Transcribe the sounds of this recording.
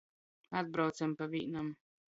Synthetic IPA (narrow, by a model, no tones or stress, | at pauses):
ad̪̚bɾawt̪sampavʲḭːnam